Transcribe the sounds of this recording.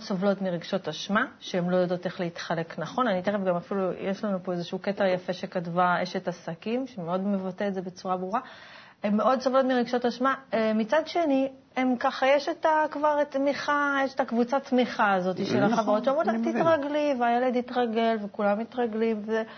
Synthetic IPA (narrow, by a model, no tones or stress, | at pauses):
sovlo̞tmiʁeɡʃo̞taʃmaʃeemlo̞jodo̞te̞χleit̪χale̞knaχo̞nanit̪eʁefɡamafilujeʃlanupo̞ezeʃuːke̞teʁjafe̞ʃekatvaeʃetasakimʃemeo̞d̪me̞vateetzebe̞t͡suʁabʁuʁa | emːeo̞d̪sovlo̞tmiʁeɡʃotaʃmamit͡sad̪ʃe̞ni | emkaχajeʃetakvaʁt̪miχajeʃetakvut͡satmiχaːzo̞t̪iʃelaχaveʁo̞t̪ʃeamʁulat̪itʁaɡliveajeled̪itʁaɡe̞lvekulamitʁaɡlimve